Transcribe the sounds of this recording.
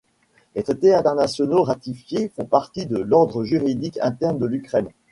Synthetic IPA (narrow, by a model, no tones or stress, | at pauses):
let̪χet̪eɛ̃t̪ɛʁnasjɔnoʁat̪ifjefɔ̃paʁt̪id̪əlɔʁd̪ʁəʒyʁid̪ikɛ̰̃t̪ɛʁnd̪əlykχɛn